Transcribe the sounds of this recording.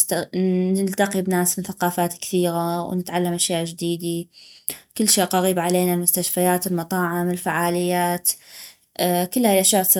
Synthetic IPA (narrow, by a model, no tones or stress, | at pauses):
nɪlt̪aqibnaːsmɪnθaqɑːfaːt̪kɪ̥θiːɣawnɪt̪ʕalːamʔaʃjaːʔd͡ʒd̪iːd̪i | kɪlːʃiːʔqɑɣiːbʕaleːnalmʊst̪aʃfajaːt̪ɪlmɑt̪ˤɑːʕɪmɪlfaʕaːlɪjːaːt̪ | kʊlːhajlʔaʃjaːʔsˤ